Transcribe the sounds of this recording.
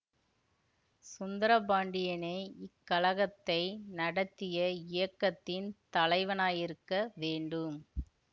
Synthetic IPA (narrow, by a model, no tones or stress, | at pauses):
sʊnd̪ɐɾɐbaːɳɖɪjɐneːɪkːɐlɐɣɐt̪ːɐɪnɐɽɐt̪ːɪjɐɪjɐkːɐt̪ːɪnt̪ɐlɐɪʋɐnaːjɪɾɯkːɐʋeːɳɖɯm